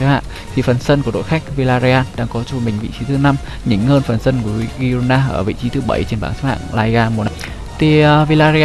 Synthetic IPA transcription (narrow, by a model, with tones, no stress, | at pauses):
ha̰ː˧˨ | t̪ʰi˨˩fə˨˩nsə˧nku˧˩əɗo̰˧˨jxa˦˥jk̟̚vi˧laː˧zi˧aː˧nɗa̰ː˧˥ŋkɔ˨˦t͡ɕu˧˩mï˨˩ŋ̟vḭ˧˨t͡ɕi˨˦t̪ʰɨ˨˦na˧m | ɲɨ̰˧˥ŋhəː˧nfə˨˩nsə˧nku˧˩i˧˦ɣi˧o˧naː˧ʔəː˧˩vḭ˧˨t͡ɕi˨˦t̪ʰɨ˨˦ɓə˧˩jt͡ɕe˧nɓa̰ː˧˩ŋsa˦˥kha̰ː˧˨ŋlaː˧jɣaː˧mo˨˩ | t̪ʰi˨˩˨vi˧laː˧zi˧